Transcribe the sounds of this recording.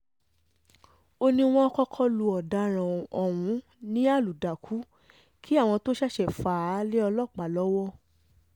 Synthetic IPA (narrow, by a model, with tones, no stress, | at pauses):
o˧nĩ˧w̃ɔ̃˦ɔ˧kɔ˧kʰɔ˦lu˧ɔ˨da˧ɾ̃ã˨ɔ˨w̃ũ˨˦ | nĩ˦a˦˨lu˨da˨kʰu˨˦ | kʰi˦a˦˨w̃ɔ̃˧to˦ʃa˦˨ʃɛ˨faː˨˦le˦ɔ˧lɔ˦˨k͡pa˨lɔ˨˦wɔ˦